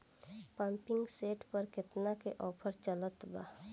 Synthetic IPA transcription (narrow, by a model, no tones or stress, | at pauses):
pãmpɪ̃ŋɡseːʈpəɾkɪt̪nakeʔɔːpʰəɾt͡ʃələt̪ba̰ː